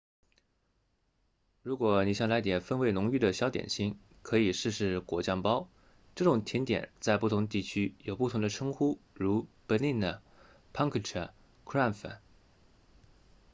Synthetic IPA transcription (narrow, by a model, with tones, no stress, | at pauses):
ɻu˧˥kwɔ˨˩ni˨˩ɕjɑ˥˩ŋla˧˥ɪt̪jɛ˨˩nfə˥nwe˧˥ɪnʊ˧˥ŋy˥˩d̪ə˩ɕjɑ˧˥ʊt̪jɛ̰˨˩nɕi˥˩ŋ | kʰɤ˧˥i˨˩ʂɻ̩˥˧ʂɻ̩˥˩kwɔ˧˥t͡ɕjɑ˥˧ŋpɑ˥ʊ | ʈ͡ʂɤ˥˩ʈ͡ʂʊ˨˩ŋt̪ʰjɛ˧˥nt̪jɛ̰˨˩˦nt͡sa˥˧ɪpu˥˩t̪ʰʊ˧˥ŋt̪i˥˩t͡ɕʰy˥jo˨˩ʊpu˥˩t̪ʰʊ˧˥ŋd̪ə˧ʈ͡ʂʰɤ˥ŋxu˥ɻu˧˥pə˧˥li˥˩nd̪ə˩ | pʰɑ˥ŋkʰə˥˩ʈ͡ʂʰə˥˩ | kʰɹa˥˩fə̰˨˩